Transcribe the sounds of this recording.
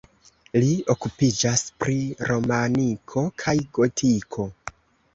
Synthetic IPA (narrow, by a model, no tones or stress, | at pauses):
lio̞kupid͡ʒaspɾiɾo̞manikʰo̞kʰajɡo̞tʰikʰo̞